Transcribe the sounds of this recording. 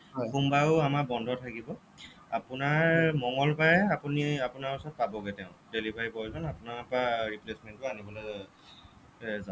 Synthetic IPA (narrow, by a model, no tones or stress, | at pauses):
xumbaʊamakbɔndʱɔtʰakibɔ | apʊnaɹmɔŋɡɔlpajɛapuniapunaɹɔsɔt̚pabɔɡɛtɛʊ̃delibaɹipɔɹizɔnapunaapaɹiplesmɛntʊanibɔlɛ | zã